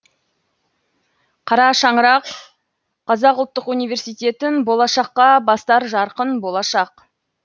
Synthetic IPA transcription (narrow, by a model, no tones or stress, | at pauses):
qʰɑɾɑʃɑɴəɾɑq | qʰɑzɑqʊlˠt̪ːəqunijve̞ɾsijt̪e̞t̪ɪnbo̞lˠɑʃɑqːɑbɑst̪ɑɾʒɑɾqənbo̞lˠɑʃɑq